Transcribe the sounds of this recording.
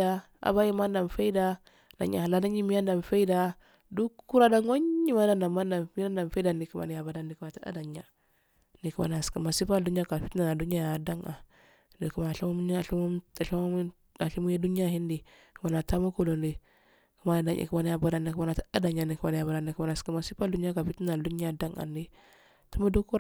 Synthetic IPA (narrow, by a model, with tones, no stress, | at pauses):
a˦ | a̰˨ba˦ji˦ma˦nda˨mfa˦i˦da˦ | na̰˨ɲa̰˨a˨la˦da˦ɲi˦mi˦ja˦nda˨n˨fe˦i˦da˨ | du˦ku˦ɾa˦da˦ŋwa˦ɲːi˦ma˦da˦nda˨ma˦nda˨nmi˦a˦nda˨mfe˦da˨ndi˨ku˦ma̰˨ni˨ja˨ba˨da˨ndi˨ka˨ta˦a̰˦da˨ɲa˨ | ni˨ku˦ma̰˨na˨skma˨si˦pa˦ldu˦ɲ˦a˦ka˨fi˦i˦na˨na˨du˦a˦ja˨a˨da˦ŋa̰˨ | ni˨ku˦ma˨ɬi˦mu˦m˦ni˦a˨ɬi˦mu˦a˨ɬi˦mu˦ | a˨ɬi˦mu˦je˦du˦n˦a˦hi˦ndi˨ | ku˨˦ma˨na˨ta˦mu˦ko˨lo˨ndi˨ | ku˦ma˨˦na˨da˦ŋʔḭ˨ku˦a˨na˨ja˨ba˨da˨ni˨ku˦ma˦na˨ta˦a˦da˨ɲa˨ni˨ku˦ma˨n˨ja˨ba˨da˨ni˨ka˨na˨ski˦ma˨si˦pa˦ldu˦n˦a˦ka˨fi˦ti˦a˨du˦a˦da˦ŋa̰˨ndi˦ | tu˦mu˦du˦ku˦ɾ